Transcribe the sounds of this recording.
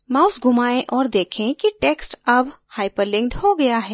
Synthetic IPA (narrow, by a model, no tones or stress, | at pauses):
maːʊsɡʱʊmaːẽʔɔːɾd̪eːkʰẽkiʈeːksʈɐbhaːɪpəɾlɪ̃ŋkɖhoɡɐjaɦɛː